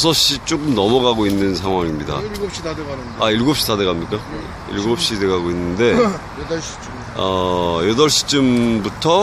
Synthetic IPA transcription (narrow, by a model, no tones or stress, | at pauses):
sʰʌɕ͈it͡ɕ͈ok͈ɯmnʌmʌɡaɡoinːɯnsʰaŋɦwaŋimɲida̰ | aiɭɡop̚ɕ͈itadeɡamɲik͈a | ḭɭɡop̚ɕ͈ideɡaɡoinːɯnde̞̥ | ʌjʌdʌɭɕ͈i̥t͡ɕ͈ɯmbutʰʌ